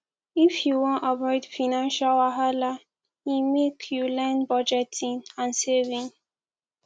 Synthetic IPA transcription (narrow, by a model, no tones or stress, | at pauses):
ifjuwɔ̃nʔavɔɪdfinãnʃalwaɦala | imekʰjulɛ̃nbɔd͡ʒɛtʰĩnãnsevĩŋ